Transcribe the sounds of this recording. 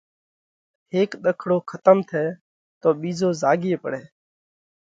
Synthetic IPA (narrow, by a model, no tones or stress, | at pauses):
heːkɗ̪əkʰɽoːkʰət̪əmt̪ʰɛː | t̪oːɓiːzoːzaːɡeːpə̰ɽɛː